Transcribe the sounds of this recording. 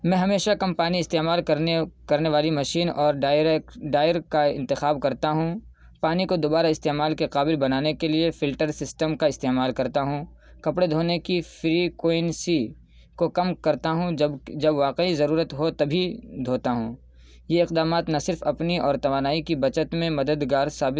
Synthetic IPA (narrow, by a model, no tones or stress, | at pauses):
mɛ̃ːɦɐmeːʃakɐmpaːniɪst̪eːmaːlkɐekɐɾneʋaːlimɐʃiːnɔːɾɖɖaːɪəɾkaɪ̰̃nt̪ɪxaːbkɐɾt̪aɦũ | paːnikod̪oːbaːɾaɪst̪eːmaːlkeqaːbɪlbɐnaːnekeliefɪlʈəɾsɪsʈəmkaɪst̪eːmaːlkɐɾt̪aɦũ | kɐpɽed̪ʱoːnekifɾikoːɪnsi | kokɐmkɐɾt̪aɦũd͡ʒɐbʋaːqeizɐɾuːɾət̪ɦot̪ɐbʱid̪ʱoːt̪aɦũː | jeɪqd̪aːmaːt̪nɐsɪɾfɐpniʔɔːɾt̪ɐʋaːnaːikibɐt͡ʃət̪mẽmɐd̪əd̪ɡaːɾsaːbɪ